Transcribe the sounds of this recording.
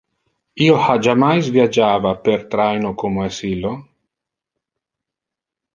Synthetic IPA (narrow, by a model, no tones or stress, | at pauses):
iːohad͡ʒamajzvjad͡ʒaːvapert̪ɾajnokomoɛsilːo